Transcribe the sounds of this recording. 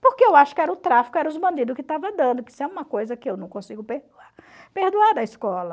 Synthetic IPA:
poɾkeewaʃʊ̥kɪɛɾɐʊt̪ɾafi̥kʊɛɾɐʊzbɐ̃nd̪id̪ʊkɪt̪avɐd̪ɐ̃nd̪ʊpisɛũmɐkojzɐkɪewnɐ̃w̃kõsiɡʊpehd̪uaɾ | pehd̪uaɾd̪ɐiskɔlɐ

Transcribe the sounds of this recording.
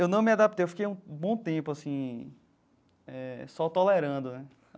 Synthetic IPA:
ewnɐ̃w̃miad̪apit̪ejewfi̥kejũbõt̪ẽpʊasĩ | ɛsɔt̪ɔlɛɾɐ̃d̪ʊnɛ

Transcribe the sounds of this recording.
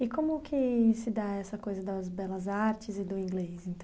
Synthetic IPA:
ɪkõmʊkʰɪsɪd̪aɛsɐkojzɐd̪ɐzbɛlɐzaɾt͡ʃɪzɪd̪ʊĩŋɡlesẽnt̪ɐ̃

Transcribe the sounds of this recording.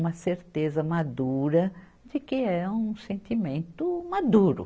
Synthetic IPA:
mɐseɾt̪ezɐmad̪uɾɐ | d͡ʒɪkɪɛũsẽnt̪imẽnt̪ʊmad̪uɾʊ̰

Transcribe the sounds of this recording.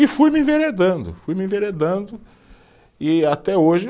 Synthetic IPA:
ɪfujmɪĩveɾed̪ɐ̃nd̪ʊ̰fujmɪĩveɾed̪ɐ̃d̪ʊ | ɪat̪ɛoʒɪ

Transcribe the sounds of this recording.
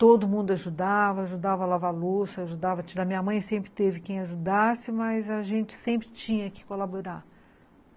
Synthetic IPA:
t̪od̪ʊmũnd̪ʊaʒud̪avɐaʒud̪avɐlavalosaʒud̪avɐt͡ʃd̪ɐmĩɲɐmɐ̃j̃sẽmpɾɪt̪evɪkẽj̃aʒud̪asɪmɐzɐʒẽnt͡ʃɪ̥sẽmpɾɪt͡ʃĩɲɐkɪ̥kolaboɾa

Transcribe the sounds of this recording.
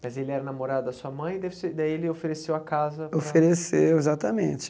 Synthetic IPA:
mɐzelɪɛɾɐnamoɾad̪ʊd̪ɐsuɐmɐ̃j̃ɪd̪ɛvseid̪aielɪofeɾesewɐkazɐoffeɾesewezat̪ɐmẽnt͡ʃɪ̥

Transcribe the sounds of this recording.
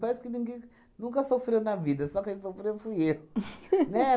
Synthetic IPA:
pɛsʊ̥kɪnẽɡẽj̃ | nũkɐsofɾewnɐvid̪ɐsɔkẽj̃sofɾewfujewnɛ

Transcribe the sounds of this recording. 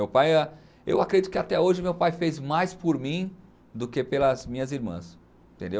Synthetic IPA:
mewpajɛ | ḛwakɾedit̪ʊ̥kɪat̪ɛoʒɪmewpajfejzmajspoɾmĩ | d̪ʊkepelɐzmĩɲɐziɾmɐ̰̃s | t̪ẽnd̪ew

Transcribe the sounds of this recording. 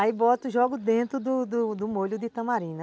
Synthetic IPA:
aibɔt̪ʊʒɔɡʊd̪ẽnt̪ɾʊd̪ʊd̪ʊd̪ʊmoʎʊd̪ɪt̪ɐ̃maɾĩnɐ

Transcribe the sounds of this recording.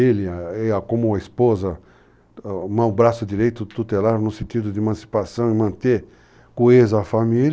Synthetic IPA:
ilɐeakõmʊɐispozɐ | mɐ̃bɾasʊd̪iɾejt̪ʊt̪ut̪elaɾnʊsẽt̪id̪ʊd̪ɪemɐ̃si̥pasɐ̃w̃ɪmɐ̃nt̪eɾ | kuezɐːfamil

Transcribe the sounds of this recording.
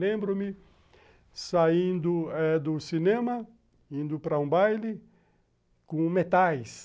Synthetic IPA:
lẽmbɾʊmɪ | saĩnd̪ʊɛd̪ʊsinẽmɐ | ĩnd̪ʊpɾɐũbajlɪ | kõmet̪ajs

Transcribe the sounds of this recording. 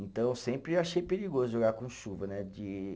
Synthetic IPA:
ẽnt̪ɐ̃w̃sẽmpɾɪaʃejpeɾiɡozʊʒoɡaɾkõʃuvɐnɛd͡ʒɪ

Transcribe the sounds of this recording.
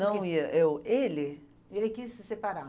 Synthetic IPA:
ɐ̃w̃iɐʔewelɪ | elɪkisːɪsepaɾa

